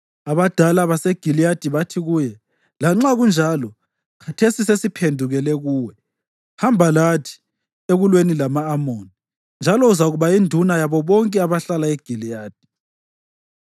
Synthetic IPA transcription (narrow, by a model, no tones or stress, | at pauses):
aβad̥ʱalaβaseɡ̥ʱilijad̥ʱiβatʰiɣujɛ | laŋ͡ǁaɣund͡ʒʱalɔ | kʰatʰesisesipʰendʱuɣɛlɛɣuːwɛ | hambʱalatʰi̥ | eɣulwenilamaːmoni | nd͡ʒʱalɔuzaɣuβaindʱunajaβɔβɔŋkʼɛaβaɬalaeɡ̥ʱilijaːd̥ʱi̥